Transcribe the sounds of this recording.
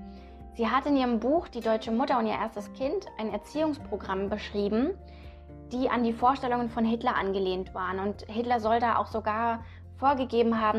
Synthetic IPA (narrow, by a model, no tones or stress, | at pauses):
z̥iːɦatɪnʔiːʁ̞əmbuːxd̥iːdɔʏt͡ʃəmʊtɐʊntiːʔeːɐstəskʰɪntʰʔaɪnɛɐt͡siːʊŋspʁ̥oɡʁambəʃʁ̥iːbm̩ | d̥iːʔandiːfoːɐʃtɛlʊŋənfɔnɦɪtlɐʔa̰nɡəleːntv̥aːʁənʊnthɪtlɐzɔldaːʔa̰ʊxz̥oɡaːɐ | foːɐɡəɡeːbm̩ɦaːbm̩